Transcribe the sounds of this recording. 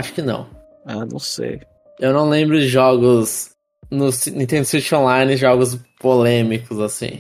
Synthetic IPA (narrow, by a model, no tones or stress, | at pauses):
aʃʊ̥kɪnɐ̰̃w̃ | anɐ̰̃w̃sḛj | ewnɐ̃w̃lẽmbɾʊd͡ʒɪʒɔɡʊs | nʊsinĩt̪ẽnd̪ʊsit͡ʃõlajnɪʒɔɡʊs̬polẽmikʊzasḭ̃